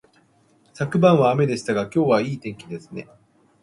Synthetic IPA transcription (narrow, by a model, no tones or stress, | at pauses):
sakɯ̟bãɰ̃βaːme̞d̪e̞ɕi̥t̪aɡakʲo̞ːβaiːt̪ẽ̞ŋkʲid̪e̞sɨ̥ne̞